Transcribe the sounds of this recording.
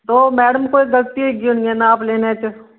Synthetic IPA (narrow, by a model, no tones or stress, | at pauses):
t̪oːmɛːɽəmkoekɡɐlt̪ieɡioniɛnaaːpleːnet͡ʃ